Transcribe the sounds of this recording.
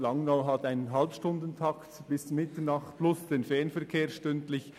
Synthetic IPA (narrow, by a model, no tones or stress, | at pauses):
lɑŋnaʊɦɑtaɪnənɦɑlpʃtʊndən̩tʰɑktb̥ɪsmɪtənɑχtb̥lʊsd̥eːnfɛɐnfɛɐkʰeːɐʃtʏntlɪç